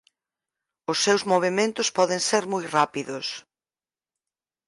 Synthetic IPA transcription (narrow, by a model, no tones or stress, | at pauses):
ʊsːewzmoβ̞emẽnt̪ʊspɔðẽŋseɾmojrapiðʊs